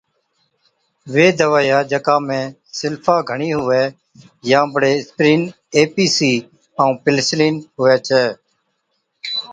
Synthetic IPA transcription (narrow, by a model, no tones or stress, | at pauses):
ʋeːd̪əʋaːjaːd͡ʒəkãːmẽː | sɪlfʰaːɡʱəɳiːɦʊʋɛː | jãːbəɽeːspɾiːn | eːpiːsiː | aũːpɪlsliːnɦʊʋɛːt͡ʃʰɛː